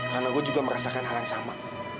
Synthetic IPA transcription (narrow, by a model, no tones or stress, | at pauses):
kanakod͡ʒukam̩ɾasakanaansama